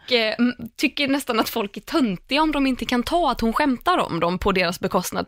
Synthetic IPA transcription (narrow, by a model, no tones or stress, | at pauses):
t̪ʰʏkːənɛst̪anat̪fɔlkæʈʰɵnt̪ɪɡaɔmd̪ɔmɪnt̪əkʰant̪ʰɑːat̪hʊnɧɛmt̪aɾɔ̰md̪ɔmpʰɔd̪eːɾasbɛkʰɔst̪na̰d̪